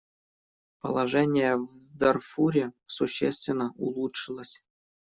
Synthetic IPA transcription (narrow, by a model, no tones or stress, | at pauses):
pə̰lˠaʐɛnʲɪjəvd̪ɐrfuɾʲɪsuɕːḛst̪vʲɪnːəʔulˠutʂɨlˠəsʲ